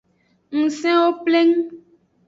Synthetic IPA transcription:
ŋ̩̃˨sɛ̃˦wo˦ple˦ŋũ˦

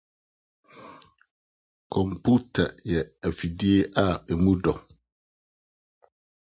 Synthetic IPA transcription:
kʰɔ̃˨mpʰu˦tʰa˨jɛ˨æ˨fi˨di˦e˦ʔa˦˨ɛ˨mũ˦dɔ˨

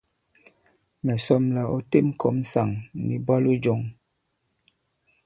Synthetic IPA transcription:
mɛ˨sɔ˦mla˨ɔ˦te˦˨m˦kʰɔ˨˦m˦sa˨ŋnḭ˨ba˦lu˦d͡ʒɔ˨ŋ

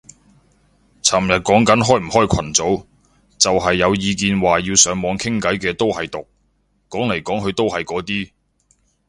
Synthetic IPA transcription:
t͡sʰaː˨˩mjɐ˨t̚kɔː˨˥ŋkɐ˨˥nɦɔː˥˩jm̩˨˩hɔː˥jkʷʰɐ˨˩nt͡so˨˥w | t͡sɐ˨wɦɐ˨jːɐ˨˧wjiː˨˧k̬iː˨˧nwaː˨jiː˧wsœː˨˥ŋmɔː˨˧ŋkʰɪ˥ŋkɐ˨˥jkɛː˧t̪o˥whɐ˨jt̪ʊ˨k̚ | kːɔː˨˥ŋle˨˩jkɔː˨˥ŋɦɵ˨˧ɥt̪o˥whɐ˨jkɔː˨˥t̪iː˥

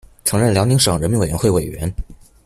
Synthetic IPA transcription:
ʈ͡ʂʰɤ˧˥ŋɻə˥˩nljɑ˧˥ni˧˥ŋʂɤ˨˩ŋɻə˧˥nmi˧˥ŋwe˨˩ɥɛ˧˥xwe˥˩ɪwe˨˩ɪɥɛ̰˧˥n

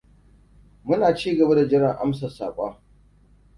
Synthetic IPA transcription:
mʊ˦naː˨t͡ʃiː˦ɡɐ˨ba˦da˨d͡ʒɪ˦ɽɪ˨ŋʔa̰˦msa˨sa̰ː˨kʷʼaː˦

